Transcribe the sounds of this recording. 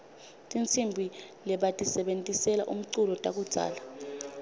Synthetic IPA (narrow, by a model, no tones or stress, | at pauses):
tʼint͡sʰʼimbʱi | lɛɓatʼisɛɓentʼisɛla̰ʔum̩ǀulɔtʼak̬ud̥z̥ʱa̰ːla